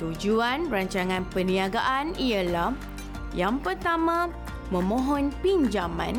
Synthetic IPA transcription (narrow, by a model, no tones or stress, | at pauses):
t̪ud͡ʒuanraɲt͡ʃaŋãnpənĩaɡaʔaniəlah | jaŋpərt̪amã | mə̃mɔ̃ɦɔnpind͡ʒamã̰n